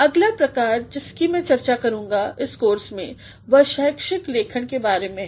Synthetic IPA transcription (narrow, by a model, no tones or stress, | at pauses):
ɐɡlapɾɐkaːɾd͡ʒɪskimɛ̃t͡ʃɐɾt͡ʃakɐɾũːŋɡaɪskoːɾsmḛ̃ | ʋɐʃəːjkʃɪkleːkʰəɽ̃kebaːɾemẽ